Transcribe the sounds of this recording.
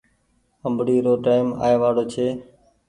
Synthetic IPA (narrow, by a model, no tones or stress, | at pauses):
əmbɽiːɾoːʈaːɪma̰ːeːʋaːɽoːt͡ʃʰeː